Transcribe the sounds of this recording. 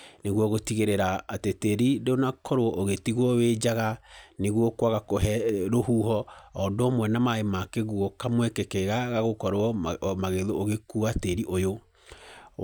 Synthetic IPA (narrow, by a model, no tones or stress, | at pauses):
neɣwɔɣotiɣeɾeɾaːteteɾideonakʰɔɾoɔʔoɣetiɣwɔwed͡ʑaɣaneɣwɔkwaɣakoɦɛɾohuɦɔːdoomwɛnamaemakeɣwɔkamwekekɛɣaɣaɣokɔɾoɔmaɣeðooɣekuateɾiʔojo